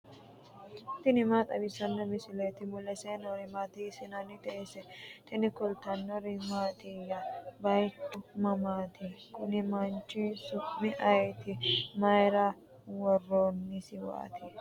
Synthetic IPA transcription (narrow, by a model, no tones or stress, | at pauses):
t̪ɪnɪmaːt̪ʼɐbɪsɐnːɛmɪsɪlet̪ɪmʊlɛseːnɔɾɪmaːt̪isɪnɐnɪd̪ɛesɛt̪ɪnɪkʊlt̪ɐnːɔɾɪmaːt̪ijɐbɐjtːʊmɐmaːt̪ɪkʊnɪmɐnt͡ʃːɪsʊʔmɪʔɐjt̪ɪmɐjɾɐ | wɔrːoːnːɪsɪwɐ̰a̰ːt̪ɪ